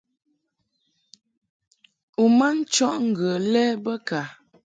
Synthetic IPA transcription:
u˨ma˦n̩˦t͡ʃɔ˦ʔŋ̩˦˨ɡə˨lɛ˦bə˦ka˨

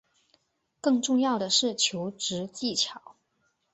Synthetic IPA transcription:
kɤ˥˧ŋʈ͡ʂʊ˥˧ŋjɑ˥˩ʊd̪ə˩ʂɻ̩˥˩t͡ɕʰjo˧˥ʊʈ͡ʂɻ̩˧˥t͡ɕi˥˩t͡ɕʰjɑ˨˩˦ʊ

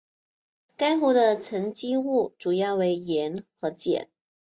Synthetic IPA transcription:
ka˥ɪxu˥d̪ə˧t͡sʰə˧˥ŋt͡ɕi˥u˥˩ʈ͡ʂu˨˩jɑ˥˩ʊwe˧˥ɪjɛ˧˥nxɤ˧˥t͡ɕjɛ̰˨˩˦n

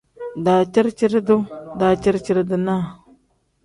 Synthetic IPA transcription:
da˨t͡ʃi˦ɾt͡ʃi˦ɾdu˦da˨t͡ʃi˦ɾt͡ʃi˨˦ɾdə˦na˦˨

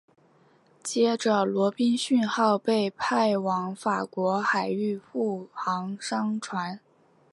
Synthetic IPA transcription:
t͡ɕjɛ˥ʈ͡ʂə˨lwɔ˧˥pi˥nɕy˥˧nxɑ˥˧ʊpe˥˧ɪpʰa˥˩ɪwɑ˧˥ŋfa˨˩kwɔ˧˥xa˨˩ɪy˥˧fu˥˩xɑ˧˥ŋʂɑ˥ŋʈ͡ʂʰwa˧˥n

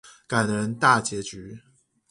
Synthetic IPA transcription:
ka˨˩ɪd̪ə˦ɻə˧˥nt̪a˥˩t͡ɕjɛ˧˥t͡ɕy˧˥

